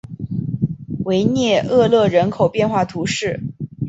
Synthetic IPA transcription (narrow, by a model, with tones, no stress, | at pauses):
we˧˥ɪnjɛ˥˧ɤ˥˧lɤ˥˩ɻə˧˥nkʰo˨˩ʊpjɛ˥˧nxwa˥˩t̪ʰu˧˥ʂɻ̩˥˩